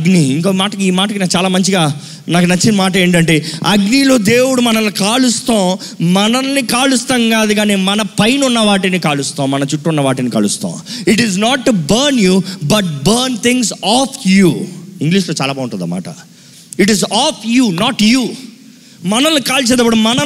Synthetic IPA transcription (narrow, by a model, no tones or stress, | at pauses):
ɐɡniiŋkoːmaːʈɐkiiːmaːʈɐkinaːkt͡ʃaːlaːmɐɲt͡ʃiɡaː | naːkunɐt͡ʃːinɐmaːʈ̬ɐe̞ːɳʈɐɳʈe̞ːɐɡnilo̞ːd̪eːwuɽumɐnɐlukaːɭust̪õː | mɐnɐlːikaːlust̪ɐŋɡaːd̪uɡaːneːmɐnɐpɐjnunːɐʋaːʈinikaːɭust̪õːmɐnɐt͡ʃuʈːunːɐʋaːʈinika̰ːɭust̪õ̰ːiʈiznaːʈːubɐɾnjuːbɐʈ̚bɐɾnt̪ʰiŋsaːpʰjuːiŋɡliːʂloːt͡ʃaːlaːbaːʋuɳʈɐnd̪a̰ːma̰ːʈɐ̰ | iʈizaːpʰjuːnaːʈjuː | mɐnɐlukaːlt͡ʃ̬eːd̪ɐbɐɽɐmɐnɐ